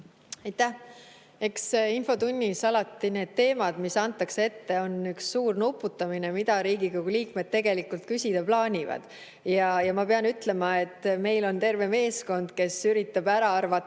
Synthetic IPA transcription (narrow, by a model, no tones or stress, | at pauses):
ɑjt̪ːæh | e̞ksinfo̞t̪unʲːisɑlɑt̪ːine̞ːd̪̥̚t̪e̞ːmɑd̪̥misɑnt̪ːˑɑksee̞t̪ːe̞o̞nyksːuːrnupːˑut̪ːˑɑminemid̪̥ɑɾiːɡikoɡuliːkme̞d̥̪̚t̪e̞ɡ̥e̞likːult̪̚kysʲid̪̥ɑplɑːnʲivɑ̰d̪̥ | jɑjɑmɑpe̞ɑnyt̪le̞mɑe̞t̪ːˑme̞jlo̞nt̪e̞rve̞me̞ːsko̞nd̪̥ke̞syɾit̪ːˑɑb̥æɾɑɑrvɑ